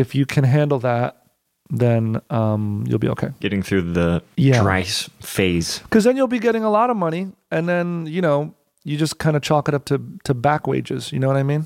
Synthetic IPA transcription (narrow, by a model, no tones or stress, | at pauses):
ɨfjɨkʰɨ̃nɦæ̃ndˡl̩ˠðæt̚ | ðɨ̃nʌ̃mjṵlˠbḭoʊkʰeɪɡ̥ɛɾɪ̃ŋθɹʉðɨjæɹa̰ɪsfeɪz̥kʰʌzðɨ̃njulˠbiɡɛɾɪ̃ŋəlɔɾʌvmʌɾ̃iɨ̃nðɨ̃njɨñoʊ | jɨd͡ʒʌskʰãɪ̃ndɨt͡ʃʰɔkɨɾʌp̚tʰɨtʰɨbækwḛɪd͡ʒɨz̥jɨnoʊwʌɾaɪmĩn